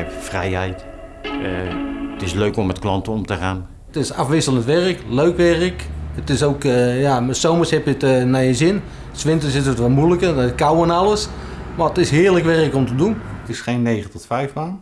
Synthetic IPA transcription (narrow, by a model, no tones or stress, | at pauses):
ɛpfrɛ̰jɦɛjt | tɪsløɥkɔmːɛtklɑntəɔmtəχaːn | tɪsafʋɪsələntʋɛrəkløɥkʋɛrəkətɪsowkjamasowməshɛpjətnajəzɪn | sʋɪntəsɪs̬ətʋɔlmujləkəkawənalˠəsmaətɪsɦɪːrləkʋɛrəkɔmtəduntɪsχejnːejχəntɔtfɛjfmaŋ